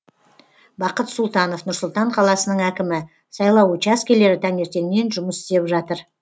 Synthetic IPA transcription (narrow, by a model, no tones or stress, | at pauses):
bɑqət̪sʊlˠt̪ɑno̞fnʊɾsʊlˠt̪ɑɴqʰɑlˠɑsənəɴækʲɪmɪ | sɑjlˠɑwut͡ʃɑskʲele̞ɾɪt̪ʰæne̞ɾt̪e̞nne̞nʒʊməsɪ̥st̪e̞pʒɑt̪əɾ